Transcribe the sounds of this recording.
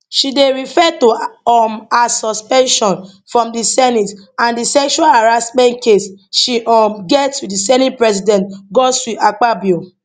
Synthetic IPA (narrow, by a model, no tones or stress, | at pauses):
ʃideɹifɛtuɔmasɔspɛ̃nʃɔ̃nfɹɔ̃mdisɛnitãndisɛkʃualaɹasmɛ̃ntkesʃiʔɔmɡɛtːudisɛnit̚pɹɛsidɛ̃ntɡɔsɹiʔak͡pabio